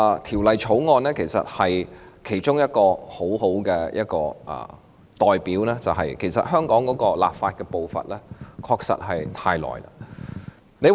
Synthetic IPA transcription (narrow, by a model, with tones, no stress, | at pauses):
t̪ʰiː˨˩wlɐ˨jt͡sʰo˨˥wŋɔː˧nlɛː˥kʰe˨˩jsɐ̰˨t̚hɐ˨jkʰe˨˩jt͡ʃʊ˥ŋjɐ˥t̚kɔː˧ho˨˥who˨˥wkɛː˧jʔɐ̰˦˥t̚kɔ̰ː˧ʔɐ̰ː˨˩ | t̪ɔː˨jpiː˨˥wlɛː˥t͡sɐ˨wɦɐ̰˨jkʰe˨˩jsɐ̰˨t̚ɦœː˥ŋkɔː˨˥ŋkɔː˨˥kɔː˧la̰ː˨p̚faː˧t̚kɛː˧po˨˧wfɐ̰˨t̚lɛː˥kʰɔː˧k̚sɐ̰˨t̚ɦɐ˨jt̪ʰaː˧jlɔ̰ː˨jla̰˧ | ne˨˧j